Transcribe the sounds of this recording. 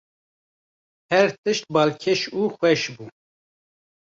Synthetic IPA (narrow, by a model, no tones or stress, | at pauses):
hɛɾt̪ɨʃt̪̚bɑːlkʲʰɛʃuːxwɛʃbuː